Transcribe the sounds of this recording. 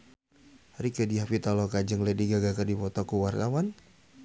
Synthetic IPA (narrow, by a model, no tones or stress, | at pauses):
ɾikɔdiɦafit̪alɔkad͡ʒəŋlɛdiɡaɡakərdipɔt̪ɔkuwarkawan